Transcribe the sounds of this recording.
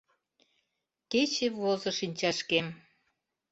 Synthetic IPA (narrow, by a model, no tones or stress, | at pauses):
ket͡ɕevozɤ̆ʃinʲt͡ɕɑʃkem